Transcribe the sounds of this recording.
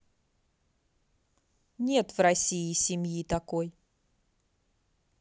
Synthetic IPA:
nʲe̞t̪vrɐsʲiɪsʲɪmjit̪ɐko̞j

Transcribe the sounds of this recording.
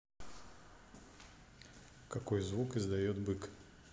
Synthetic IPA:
kakɔjzvukɪzd̪ajɔt̪bɨk

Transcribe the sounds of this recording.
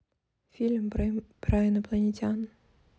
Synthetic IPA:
fʲilʲmpɾajɪnɐplˠɐnʲetʲan

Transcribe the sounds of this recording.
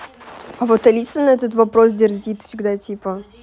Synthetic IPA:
ɐvot̪ɐlʲit̪sənəɛt̪ət̪vɐpɾos̬dʲɪrzʲit̪fsʲɪɡd̪atʲipə

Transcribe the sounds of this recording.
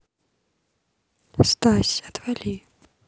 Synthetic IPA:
st̪asʲɐt̪valʲi

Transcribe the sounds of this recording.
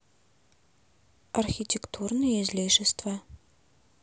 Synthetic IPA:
ɐrxʲitʲekt̪ʰurnɨjezlʲeʃɪst̪vɐ

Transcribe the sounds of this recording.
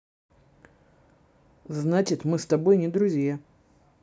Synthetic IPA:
znat͡ɕɪt̪mɨst̪ɐbojnʲɪd̪ɾʊzʲja

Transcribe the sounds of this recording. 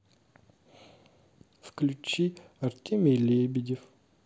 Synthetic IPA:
fklʲʉt͡ɕiɐrtʲemʲejlʲebʲɪdʲef

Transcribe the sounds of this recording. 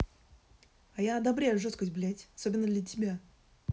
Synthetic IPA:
ajad̪ɐbɾʲejʊʐost̪kəsʲblʲetʲɐsobʲɪnːəd̪lʲətʲɪbʲa

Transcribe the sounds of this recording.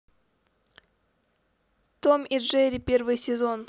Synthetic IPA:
t̪omiʐɛɾʲɪpʲervɨjsʲɪzo̞n

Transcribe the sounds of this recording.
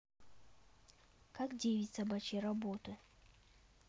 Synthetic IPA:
kakdʲejvʲɪtʲsɐbat͡ɕijrɐbot̪ɨ

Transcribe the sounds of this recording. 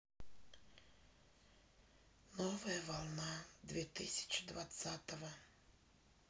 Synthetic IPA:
nɔvɐjɐvalˠnad̪vʲɛt̪ɨsʲɐ̥t͡ʃɨ̥d̪vat̪sat̪ɐvɐ

